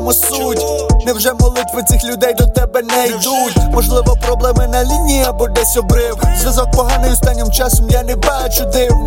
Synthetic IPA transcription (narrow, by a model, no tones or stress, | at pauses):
mɔsutʲnɛwʒɛmɔlˠɪt̪ʋɪt͡sʲixlʲʊd̪ɛjd̪ɔt̪ɛbɛnɛjd̪utʲmɔʒlˠɪʋɔpɾɔblˠɛmɪnɐlʲinʲijɐbʊd̪ɛsʲɔbɾɪwzʲʋʲjɐzɔk̚pɔɦanɪɔst̪anʲːɪmt͡ʃasɔmjanɛbat͡ʃʊd̪ɪw